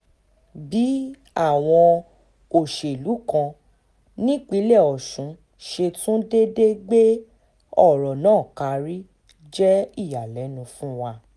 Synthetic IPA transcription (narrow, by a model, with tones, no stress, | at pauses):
bi˨˦ | a˦˨w̃ɔ̃˧ | o˨ʃe˨i˨lu˨˦kã˧ | nĩ˦k͡pi˨˦lɛ˦˨ɔ˨ʃũ˨˦ | ʃe˧tũ˦de˦de˦ɡ͡be˦ | ɔ˦˨ɾɔ˨nãː˦˨ka˧ɾi˦ | d͡ʒɛ˦i˦˨ja˨lɛ˨˦nũ˧fũ˦wa˧